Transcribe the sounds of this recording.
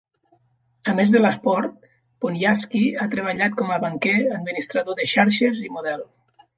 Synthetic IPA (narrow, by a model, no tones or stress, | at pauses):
əmezðələspɔɾt̪̚ | ponjaskiat̪ɾeβ̞aʎat̪̚kɔməβaŋkɛəd̪minist̪ɾaðoðəʃaɾʃəzimuðɛlˠ